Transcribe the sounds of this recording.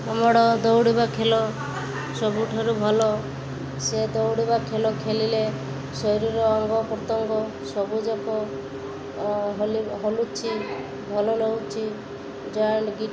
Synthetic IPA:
amɔɽɔd̪ɔwɽibakʰelɔ | sɔbuʈʰaɾubʱɔlɔ | sed̪ɔwɽibakʰelɔkʰelile | sɔjɾiɾɔːŋɡɔpɾɔt̪ɔŋɡɔ | sɔbud͡ʒɔkɔ | ɦoliɦolut͡ʃʰi | bʱɔlɔɾɔɦut͡ʃʰi | d͡ʒɔjɳɖɡi

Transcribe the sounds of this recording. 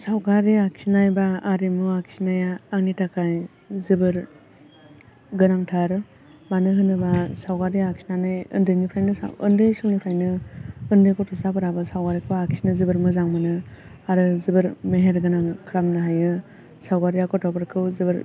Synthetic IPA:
sawɡaɾiaksinajbaːɾimuaksinajaːŋnitʰakʰaj | zɯbɯɾ | ɡɯnaŋtʰaɾ | manɯɦɯnɯbasawkaɾiaksinanɯjɯ̰ndɯjnipʰɾajnɯsa̰ɯ̰ndɯjsɔŋnipʰajnɯɯndɯjkɔtʰɔsapɯɾabɯsawɡaɾikʰɯaksinɯzɯbɯɾmɯzaŋmɯnɯ | aɾɯzɯbɯɾmeɦeɾɡɯnaŋkʰɾamnɯɦajɯ | sawɡaɾijakɔtʰɔpɯɾkʰɯwzɯbɯɾ

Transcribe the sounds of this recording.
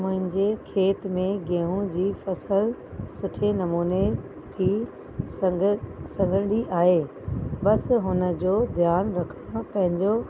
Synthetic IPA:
mʊ̃ɦɪ̃ɲd͡ʑekʰeːt̪mẽɡẽɦũd͡ʑiːfɐsəl | sʊʈʰenɐmuːne | t̪ʰi | sɐ̃ŋɡʱəɽɽiʔaːɦeː | ɓɐsɦʊnə̆d͡ʑoːd̪ʱjaːnɾɐkʰəɽ̃opɐ̃ɦɪ̃ɲd͡ʑo

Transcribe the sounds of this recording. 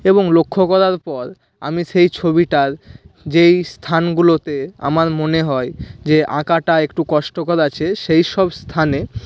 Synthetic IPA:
eboŋlokʰːokɔɾaɾpɔɾ | a̰miʃejt͡ɕʰobiʈaɾd͡ʑejst̪ʰanɡulot̪ea̰maɾmoneɦɔed͡ʑeʔa̰kaʈaekʈukɔʃʈokɔɾat͡ɕʰeʃejʃɔbst̪ʰane

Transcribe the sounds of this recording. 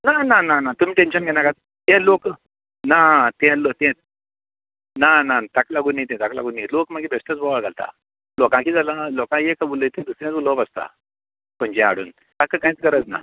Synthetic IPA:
nanananat̪um̤iːʈenɕənɡʱɛɽ̃aka | t̪ɛ̃lok | nat̪ɛ̃lot̪ɛ̃ | nanat̪aklaɡuːnːait̪ɛ̃t̪akla̰ɡuːnːailokmaɡibʱesʈət͡sbʱɔʋaɭɡalt̪a̰ | lɔkãkiːd͡zalalɔkãjekabuləjt̪ɛ̃d̪usɾjãt͡sbuləpast̪a̰ | pəɲd͡ʑɛ̃a̰ɽṵːn | t̪akəkait͡skəɾət͡sna̰

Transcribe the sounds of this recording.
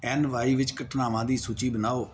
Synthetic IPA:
ɛːnʋaːiːʋɪt͡ʃkəʈʰnaːʋãːd̪iːsuːt͡ʃiːbənaːoː

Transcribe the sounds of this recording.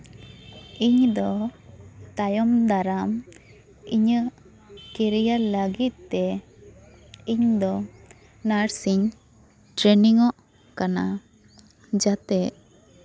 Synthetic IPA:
iɲd̪ɔ | t̪ajɔmd̪aɾam | iɲə | kɛɾɛjaləɡit̪̚t̪ɛ | iɲd̪ɔ | naɾsiɲ | ʈɾeniŋɔʔ | kana | d͡ʒat̪ɛʔ

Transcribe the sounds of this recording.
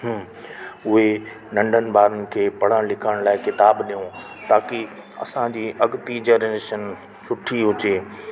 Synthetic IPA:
ɦ | ʊɦe | nɐ̃ɳɖʱənɪ̆bʱaːɾənɪ̆kʰeːpɐɽ̤ãlɪkʰaːɪɽ̃laːɪkɪt̪aːbɗijõ | t̪aːki | ɐ̰sãd͡ʑiːʔɐɡt̪id͡ʑɐɾeːʃən | sʊʈʰiɦʊd͡ʑeː

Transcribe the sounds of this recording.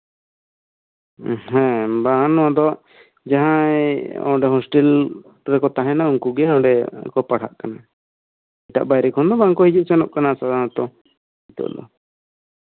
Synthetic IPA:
ɦɛ̃baanɔad̪ɔʔ | d͡ʒaɦãjɔ̰̃ɖɛɦɔsʈɛl | ɾɛkɔt̪aɦɛ̃nauŋkuɡɛɔ̃ɖɛkɔpaɽ̤ʰa̰ʔkana | iɛt̪a̰ʔbajɾɛkʰɔnd̪ɔbaŋkɔhid͡ʒuʔ̚sɛnɔʔ̚kanasad̪anat̪ɔ | it̪ɔ̰ʔd̪ɔ̰

